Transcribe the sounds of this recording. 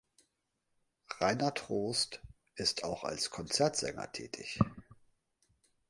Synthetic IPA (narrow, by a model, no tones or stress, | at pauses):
ʁaɪnɐtʁ̥oːst | ʔɪstʰaʊxa̰lskʰɔnt͡sɛɐtz̥ɛ̰ŋɐ̰tʰɛ̰ːtʰɪ̰ç